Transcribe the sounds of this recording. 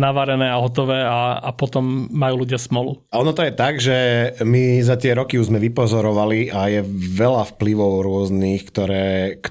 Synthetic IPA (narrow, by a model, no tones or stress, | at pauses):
naʋaɾɛnɛːaɦɔt̪ɔʋɛːaa̰pɔt̪ɔmːajuːluɟɪasmɔlṵaɔnɔt̪ɔjɛt̪aɡʒɛmizat̪ɪɛɾɔkiuʒzmɛʋipɔzɔɾɔʋaliʔajɛʋɛlafpliʋɔʊɾʊɔzniːxkt̪ɔɾɛːk